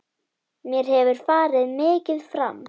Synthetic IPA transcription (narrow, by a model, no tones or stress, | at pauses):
mjɛɾ̥hɛvʏɾ̥faːɾɪðmɪːcɪðfɾa̰m